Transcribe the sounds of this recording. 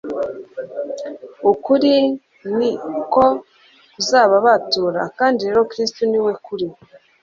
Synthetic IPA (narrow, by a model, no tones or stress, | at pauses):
ukuɾi | niko | uzaːβaβatuːɾa̰kaːndiɾe̞ɾokɾistuniwe̞kuɾi